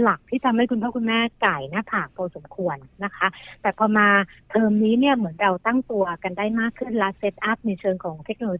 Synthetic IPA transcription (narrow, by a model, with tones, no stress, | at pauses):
la˨˩k̚t̪ʰiː˥˩t̪ʰa˧mha˥˩jkʰu˧npʰaː˥˩kʰu˧nmɛː˥˩ka˨˩jna˦˥pʰaː˨˩k̚p̪ʰɔː˧so˨˩˦mkʰu˧ənːa˦˥kʰa˦˥t̪ɛː˨˩pʰɔː˧maː˧t̪ʰɤː˧mniː˦˥ni˥˩ɐmɯ˩˦ənɾa˧wt̪a˥˩ŋt̪u˧ɐka˧ndaː˥˩jmaː˥˩kʰːɯ˥˩nlɛ˦˥se˦˥t̪̚ʔa˦˥p̚na˧jt͡ɕʰɤː˧ŋkʰɔː˩˦ŋt̪ʰe˦˥k̚noː˧loː˧